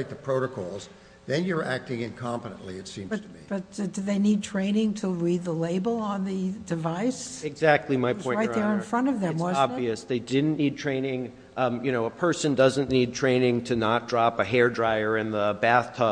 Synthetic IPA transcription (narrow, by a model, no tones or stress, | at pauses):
ɪt̪̚ðəpʰɹ̥oʊɾɨkʰɔ̰lˠz | ðɨ̃njə˞ʔæk̚tɪ̃ŋɨ̃nkʰɑ̃mpəɾə̰̃nʔliɨtsĩmbʌtʰib̥ʌt̚d̥ɨðeɪnid̚tʰɹ̥ẽɪ̃nɪ̃ŋtʰəɹid̪̚ðəleɪbl̩ˠə̃nðɨdɨvaɪsɨɡzæk̚tʰˡlimaɪpɔ̃ɪ̃ɹaɪðə˞ɨ̃nfɹʌ̃ɾ̃tʌvðɨ̃mwʌzɑbviɨsðeɪdɪdⁿn̩nid̚tʰɹ̥ẽɪ̃nɪ̃ŋ | jɨñoʊəpʰɜ˞sɨ̃ndʌzɨ̃nnid̚tʰɹ̥ẽɪ̃nɪ̃ŋtʰɨnət̚d̥ɹɑpɨɦɛɹdɹaɪə˞ɨ̃nðəbæθtʰʌ